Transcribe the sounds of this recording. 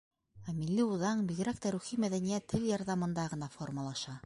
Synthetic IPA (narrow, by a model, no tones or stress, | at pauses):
æmilːɘuðɑɴbiɣɘ̆ɾæk̚t̪æɾʉχimæðænijæt̪ʰːɘljɑɾðɑmɤ̆nd̪ɑʁɤ̆nɑformɑlˠɑʃɑ